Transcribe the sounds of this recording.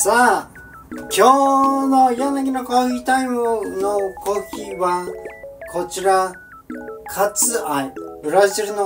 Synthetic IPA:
saː | kʲoːnojonak̬ʲinoko̟it̪aimɯnoko̥hʲiβãkʰo̞t͡ɕiɾa | kʰat͡sɨaibɯɾaʑiɾɯno

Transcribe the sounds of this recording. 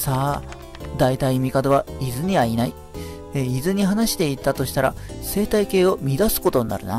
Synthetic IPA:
saː | d̪ait̪aimʲikad̪oβaizɨɲ̟iβainai | eizɨɲ̟iɦanaɕi̥t̪e̞it̪ːat̪o̞ɕi̥t̪aɾa̰se̞ːt̪aike̞ːo̞mʲid̪asɨ̥ko̞t̪o̞ɲ̟ina̰ɾɯ̟̰na

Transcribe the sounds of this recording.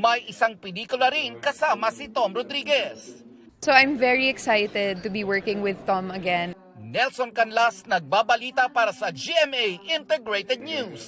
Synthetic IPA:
mɐjʔɪsaŋpɛliːkʊlɐɾiŋkɐsaːmɐsɪt̪omɾod̪ɾiːɡɛs | soʔajmvɛɹiɛksajt̪ɛd̪̚t̪ʊbiwɜɹkɪ̃ŋwɪðt̪ɔmɐɡɛ̃n | nɛlsonkɐnlasnɐɡ̚baːbɐliːt̪apaːɾɐsɐd͡ʒiɛmejʔɪnt̪ɛɡɹejt̪ɛd̪̚njus

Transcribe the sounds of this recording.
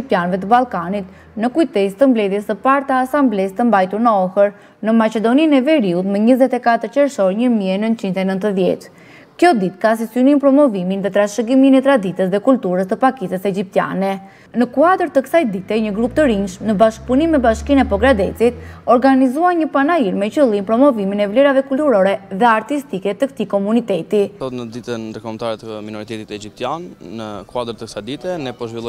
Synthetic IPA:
ip̚t̪ijanvɛt̪əbalˠkanit̪̚ | nəkujt̪ɛt̪əmblɛðjɛsəpaɾt̪aːsamblɛst̪əmbajt̪uɾnəɔhəɾ | nəmat͡ʃɛd̪ɔninɛvɛɾiut̪məɲəzɛt̪ɛkat̪əɾt͡ʃɛɾʃɔɾɲəmiɛnənt̪t͡ʃint̪ɛnənt̪əðjɛ̰t̪ | kjɔd̪it̪kas̬isynimpɾɔmɔviminðɛt̪ɾaʃəɡiminɛt̪ɾad̪it̪əs̬ðɛkult̪uɾəst̪əpakit̪əsɛd͡ʒip̚t̪ja̰nɛ | nəkuad̪əɾt̪əksajd̪it̪ɛɲəɡɾupt̪əɾinʃmnəbaʃk̚punimːɛbaʃkinɛpɔɡɾad̪ɛ̰t͡sit̪̚ɔɾɡanizuaɲəpanaiɾmɛcəlˠimpɾɔmɔviminɛvlɛɾavɛkult̪uɾɔɾɛðɛaɾt̪ist̪ikɛt̪əkt̪ikɔmunit̪ɛt̪iɔt̪nəd̪it̪ənnd̪əɾkɔmt̪aɾɛt̪əminɔɾit̪ɛt̪it̪ɛd͡ʒip̚t̪janːəkuad̪əɾt̪əksajd̪it̪ɛnɛpɔʒvilˠɔ

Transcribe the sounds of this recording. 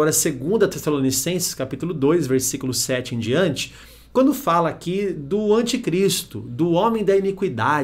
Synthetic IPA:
ɔɾɐseɡũnd̪ɐt̪esalonisẽsɪ̥skapit̪ʊlʊd̪ojzveɾsikʊlʊsɛt͡ʃɪẽd͡ʒiɐ̃nt͡ʃɪ̥ | kwɐ̃nd̪ʊfalɐːkid̪ʊɐ̃nt͡ʃikɾist̪ʊd̪ʊõmẽj̃d̪ɐinikwid̪a

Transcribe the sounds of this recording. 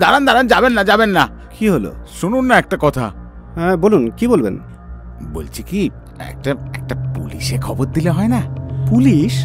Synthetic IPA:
d̪aɾand̪ʱaɾand͡ʑabenːad͡ʑabenːa | kiɦolo̰ʃununːaɛk̚ʈakɔt̪ʰa̰ | ɛ̃bolunkibolbḛn | bo̰lt͡ɕʰiki | ɛ̰k̚ʈaɛ̰k̚ʈapṵliʃekʰɔboɾ̚d̪ileɦɔenapuliʃ

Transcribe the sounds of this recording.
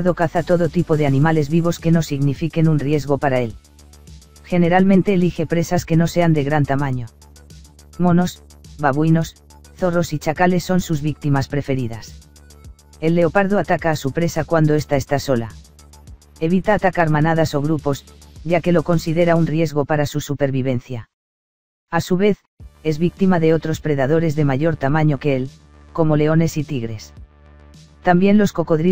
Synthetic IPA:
ðo̞kaθat̪o̞ðo̞t̪ipo̞ðeanĩmale̞zβiβ̞o̞ske̞no̞siɣnifike̞nunrje̞zɣo̞paɾae̞l | xe̞ne̞ɾalmẽnt̪e̞ːlixe̞pɾe̞saske̞no̞se̞and̪e̞ɣ̞ɾant̪amãɲo̞ | mo̞no̞s | βaβwino̞s | θo̞ro̞sit͡ʃakale̞sːo̞nsuzβik̚t̪imaspɾe̞fe̞ɾiða̰s | e̞lːe̞o̞paɾðoat̪akaːsupɾe̞sakwand̪oe̞st̪ae̞st̪aso̞la̰ | e̞β̞it̪aːt̪akaɾmanað̞aso̞ɣ̞ɾupo̞sʝake̞lo̞ko̞nsiðe̞ɾaunrje̞zɣo̞paɾasusupe̞ɾβiβ̞e̞nθja | asuβe̞θ | e̞zβik̚t̪imaðe̞o̞t̪ɾo̞spɾe̞ðað̞o̞ɾe̞zðe̞maʝo̞ɾt̪amãɲo̞keel | ko̞mo̞le̞one̞sit̪iɣɾe̞s | t̪ambje̞nlo̞sko̞ko̞ðɾi

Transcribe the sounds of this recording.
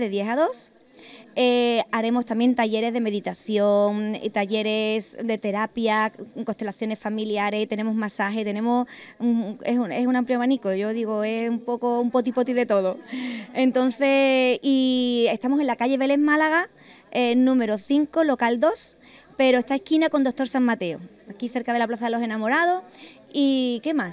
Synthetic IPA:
ðeðje̞ɦaðo̞s | eaɾe̞mo̞st̪ambje̞nt̪aʝe̞ɾe̞zðe̞me̞ðit̪aθjo̞ŋ̰t̪aʝe̞ɾe̞sd̪e̞t̪e̞ɾapjako̞st̪e̞laθjo̞ne̞sfamiljaɾe̞st̪e̞ne̞moɦmasaɦe̞t̪e̞nemos | esue̞sunãmpljomanikoʝo̞ðiɣ̞oe̞sumpo̞koumpo̞t̪ipo̞t̪iðe̞t̪o̞ð̞oe̞nt̪õ̞n̟θe̞ie̞st̪amose̞nlakaʝe̞βe̞le̞zmalaɣ̞a | enũme̞ɾo̞θiŋkolo̞kald̪o̞s | pe̞ɾost̪ae̞hkinako̞nd̪o̞k̚t̪o̞ɾsaŋmat̪e̞o̰ | akiθe̞ɾkaðelaplaθaðelo̞se̞namo̞ɾað̞o̞ | ike̞mas

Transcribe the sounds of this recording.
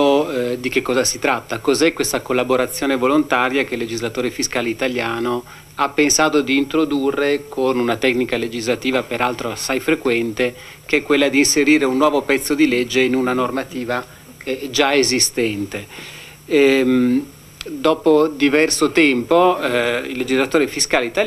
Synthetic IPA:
od̪ikekːɔːzasit̪ɾat̪ːakozɛkwest̪akolːaboɾat̪sːjoːnevolont̪aːɾjak̟elːed͡ʒizlat̪oːɾefiskaːleit̪aljaːno | apːensaːt̪od̪iːnt̪ɾod̪urːekʰonunat̪ɛknikaled͡ʒizlat̪iːvapeɾalt̪ɾoasajfɾekwɛnt̪ekeɛkːwelːad̪iːnseɾiːɾeunːwɔːvopɛt̪sːod̪ilɛd͡ʒːeinunanormat̪iːva | ɛd͡ʒaezist̪ɛnt̪e | m | d̪ɔːpod̪ivɛrsot̪ɛmpoilːed͡ʒizlat̪oːɾefiskaːleit̪a

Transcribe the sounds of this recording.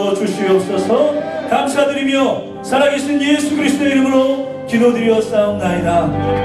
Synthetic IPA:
ʌt͡ɕuɕʰiʌp̚s͈ʌsʰʌkamsʰadɯɾimjʌ | sʰaɾaŋeɕʰinjesʰuɡɯɾisʰɯt̪͈oeiɾɯmɯɾo | kidodɯɾiʌs͈aonnaida

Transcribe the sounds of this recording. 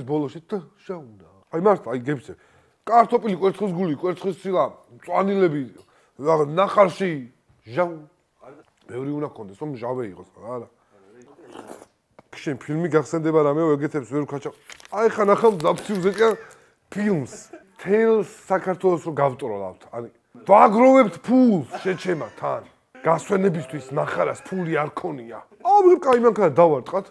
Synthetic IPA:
bɔlɔʃid̪aʒ̥auna | ajmaɾt̪ʰajɡɛpt͡ʃ̪sʰɛ | kʼaɾt̪ʰɔpʼilikʼwɛɾt̪sʰχwis̬ɡulikʼwɛɾt̪sʰχwist̪sʰilat̪sʼwanilɛbi | anaχaɾʃi | ʒa | b̥ɛvɾiunakʰɔnd̪ɛsɔmʒavɛiqʼɔsaaɾa | kʰʃɛnpʰilmiɡaχsɛnd̪ɛbaɾamɛɔɛɡɛt̪ʰɛpsvɛɾkʰat͡ʃʰaaɛχanaχamzapʰt̪sʰiuzɛt̪ʼian | pʰilmst̪ʰɛlsːakʰaɾt̪ʰwɛlˠɔsɾɔɡavt̪ʼɾɔla̰ft̪ʰaɾi | vaɡɾɔvɛpt̪ʰpʰulsʃɛt͡ʃʰɛmat̪ʰan | ɡ̥aswɛnɛbist̪ʰwismaχaɾaspʰuliaɾkʰɔnia | amɔkʼaimaŋkʰanad̪avaɾt̪ʼqʼat̪ʰ

